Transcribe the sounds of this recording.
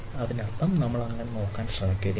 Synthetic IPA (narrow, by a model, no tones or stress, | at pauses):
ɐðinɐt̪ːɐmnɐmːɐɭɐŋːɐneno̞ːkːaːnsʈɐɳɐkːujɐði